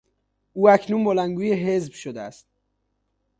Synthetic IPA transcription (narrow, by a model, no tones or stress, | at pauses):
ʔuːæcʰnuːnbolænɡuːjeɦe̞zbʃod̪eæ̰st̪̚